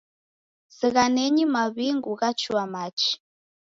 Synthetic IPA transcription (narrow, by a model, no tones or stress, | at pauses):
ziɣanɛɲimaβiŋɡuɣat͡ʃʰuwamat͡ʃʰi̥